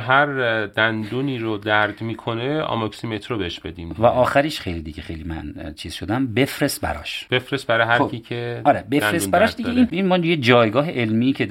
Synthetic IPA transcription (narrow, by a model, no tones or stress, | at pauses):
ɦæɾd̪̥ænd̪uːniːɾod̪æɾd̪miːkʰoneɒ̰mɒksimet̪ʰɾobeheʃb̥e̞d̪iːmvæʔɒːxæɾiʃxejliːd̪iɟʲexejlimæ̰nt͡ʃʰiːz̥ʃod̪æmbe̞fɾest̪̚bæ̰ɾɒ̰ːʃb̥efɾest̪̚bæɾɒːjɦæɾʰiːcʰeɒːɾebefɾebæɾɒːʃd̪ieininmɒːjed͡ʒɒːjɡɒːɦeʔelmiːcʰe